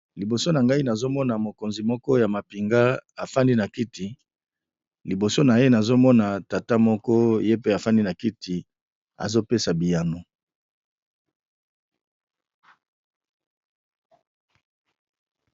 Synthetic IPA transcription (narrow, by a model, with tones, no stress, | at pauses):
li˨bo˨so˦na˨ŋɡa˦i˦na˨zo˦mɔ˦na˨mo˨ko˨nzi˨mɔ˦kɔ˦ja˨ma˨pi˨ŋɡa˦a˨fa˦ndi˦na˨ki˦ti˨ | li˨bo˨so˦na˨je˦na˨zo˦mɔ˦na˨ta˨ta˦mɔ˦kɔ˦je˦pe˦a˨fa˦ndi˦na˨ki˦ti˨ | a̰˨zo˦pe˦sa˨bi˨ja˨no˦